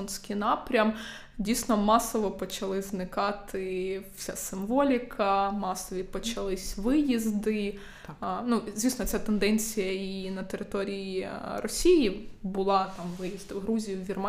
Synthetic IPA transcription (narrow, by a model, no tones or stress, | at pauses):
nʲsʲkɪnɑpɾʲɐm | dʲijsnɔmɑsɔʋɔpɔt͡ʃɐlˠɪznɪkɑt̪ʰɪwsʲa̰sɪmʋɔlʲɪkʰɐmɑsɔʋʲipɔt͡ʃɐlˠɪsʲʋɪjizd̪ɪ | nuzʲʋʲisnɔt͡sʲat̪end̪ɛnʲt͡sʲijɐinɐt̪eɾɪt̪ɔɾʲijirɔsʲijibʊlˠɑt̪ɑmʋɪjizd̪ɐwɦɾuzʲijʊwʋʲirmɑ